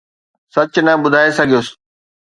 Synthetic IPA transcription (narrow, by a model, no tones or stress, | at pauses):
sɐt͡ɕnɐɓʊd̪ʱaːesɐɡʱijoːs